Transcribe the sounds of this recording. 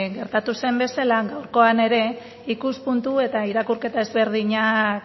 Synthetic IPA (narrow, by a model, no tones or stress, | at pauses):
ɣe̞ɾt̪at̪use̞mbe̞salaɡawɾko̞ane̞ɾe̞ | ikuspunt̪ue̞t̪aiɾakuɾke̞t̪ae̞zβe̞ɾð̞iɲa